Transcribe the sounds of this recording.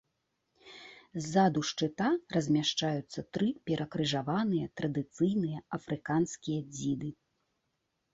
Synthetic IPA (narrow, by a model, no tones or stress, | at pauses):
zːad̪uʂt͡ʂɨt̪arɐzʲmʲaʂt͡ʂajut̪sːɐt̪ɾɨpʲɛɾʔɐkɾɨʐavanɨjɐt̪ɾɐd̪ɨt̪sɨjnɨjɐɐfɾɨkanskʲijɐd͡zʲid̪ɨ